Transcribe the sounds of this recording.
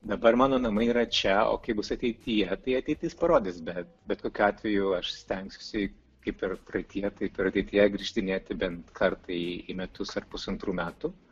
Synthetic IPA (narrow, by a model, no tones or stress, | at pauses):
d̪ɐbɐrmɑːnoːnɐmɐiːɾɐt͡ʃʲɛo̰ːkɐɪbʊsɐt̪ʲɛɪt̪ʲɪjɛt̪ɐɪɐt̪ʲɛɪt̪ʲɪspɐɾoːd̪ʲɪsbʲɛt̪bʲɛt̪koːkʲuɑːt̪ʲʋʲɛjuɐʃsʲt̪ʲɛŋksʲʊ̥sʲɪ | kɐɪpɪrprɐɪt̪ʲɪjɛt̪ɐɪpɪɾɐt̪ʲɛɪt̪ʲɪjɛɡɾʲiʃʲt̪ʲɪnʲeːt̪ʲɪbʲɛnt̪kʰɐrt̪ɐɪɪmʲɛt̪ʊsɐrpʊsɐnt̪ɾuːmʲæːt̪ʊ